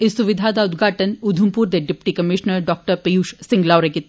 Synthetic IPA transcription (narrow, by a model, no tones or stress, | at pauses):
ɪsuʋɪd̪ʱaːd̪aʊd̪ɡʱaːʈənud̪ʱumpuːɾd̪eɖɪpʈikɐmɪʃnəɾɖɔːk̚ʈəɾpejuːʃsɪ̃ŋɡlaːɾekɪt̪